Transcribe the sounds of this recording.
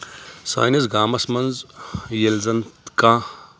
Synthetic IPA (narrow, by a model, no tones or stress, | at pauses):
sa̰ːjnɐsɡaːmɐsmɐnzjelzɐnt̪kãː